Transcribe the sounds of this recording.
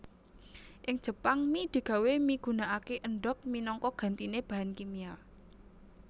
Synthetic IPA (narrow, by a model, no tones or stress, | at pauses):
ʔɪŋd̥ʒ̥ə̤paŋmid̪̥i̤ɡ̥a̤wemiɡ̥ṳnaʔakeʔəɳɖɔk̚minɔŋkɔɡ̥a̤nt̪ineb̥a̤ɦankimia